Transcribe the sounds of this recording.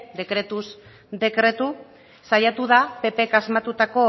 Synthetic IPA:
d̪e̞kɾe̞t̪uz | d̪e̞kɾe̞t̪u | sajat̪uðape̞pe̞kazmat̪ut̪ako̞

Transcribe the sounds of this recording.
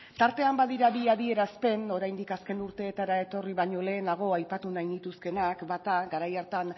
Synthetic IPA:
t̪aɾt̪e̞ambaðiɾaβiaðie̞ɾaspe̞no̞ɾajnd̪ikaske̞nuɾt̪e̞ːt̪aɾae̞t̪o̞riβaɲo̞le̞ːnaɣ̞o̞ajpat̪unajnit̪uske̞nakbat̪aɡaɾajaɾt̪an

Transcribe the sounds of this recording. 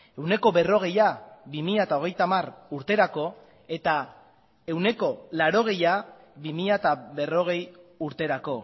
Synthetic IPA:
e̞wne̞ko̞βe̞ro̞ɣ̞e̞jaβimiʎat̪ao̞ɣ̞e̞jt̪amaruɾt̪e̞ɾako̞ | e̞t̪a | e̞wne̞ko̞laɾo̞ɣ̞e̞ja | βimiʎaet̪aβe̞ro̞ɣ̞e̞juɾt̪e̞ɾako̞

